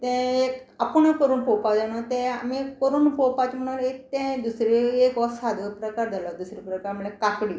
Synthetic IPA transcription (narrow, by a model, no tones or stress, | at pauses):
t̪ẽek | apuɳəkəɾuːnpowpad͡zanat̪ẽamikəɾuːnpopat͡ɕm̤əɽ̃ulet̪ẽd̪usɾiekʋɔsad̪ʱəpɾəkaɾd͡zʱalad̪usɾipɾəkaɾm̤əɭẽkakɽi